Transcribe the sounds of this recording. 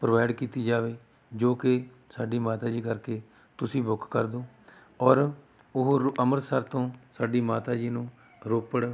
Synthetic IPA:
pɾoʋaːɪɖkiːt̪iːd͡ʒaːʋeː | d͡ʒoːkɪ | saːɖiːmaːt̪aːd͡ʒiːkəɾkeː | t̪ʊsĩːbʊkʰkəɾd̪oː | ɔːɾ | ʊɦəməɾsəɾt̪õːsaːɖiːmaːt̪aːd͡ʒiːnũː | ɾoːpəɽ

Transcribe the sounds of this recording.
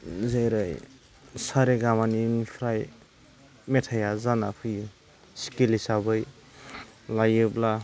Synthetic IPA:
zejɾaj | saɾeɡamaninpʰɾaj | metʰajazanapʰɯj | si̥kilisabɯj | lajubla

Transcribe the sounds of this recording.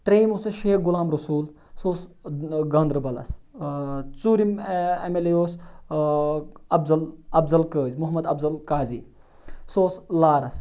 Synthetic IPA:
t̪ɾeːmusɐʃeːkɡulaːmɾɐsuːl | soːsɡɐnd̪ɾbɐlɐ̰s | t͡suːɾimemelejoːs | ɐbzɐlɐbzɐlkəːzmuɦɐmɐd̪ɐbzɐlkaːziː | soːslaːɾɐs

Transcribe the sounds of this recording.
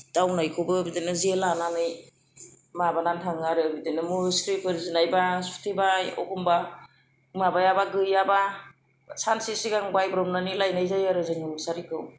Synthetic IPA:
d̥awnajkʰɯwbɯbidinɯzelananɯj | mabanantʰaŋaɾɯbidenɯmuskɾipʰɯɾzinajbasu̥tʰibajɔ̰kʰumba | mabajabaɡɯjaba | sansisiɡaŋbajbɾɔmnanilajnajzajaɾɯzɯŋisaɾikʰɯw

